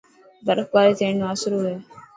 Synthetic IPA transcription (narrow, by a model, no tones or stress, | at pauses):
bəɾək̚baːɾiːt̪ʰẽːɳaːsɾuːɦɛː